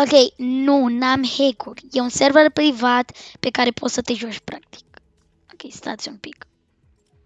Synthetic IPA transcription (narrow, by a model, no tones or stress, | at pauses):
okejnunamhekuɾɛũnsɛɾvaɾpɾivat̪pekaɾepʰɔsɐt̪eʒɔʒpɾak̚t̪i̥k̚ | okejst̪a̰t̪sunpik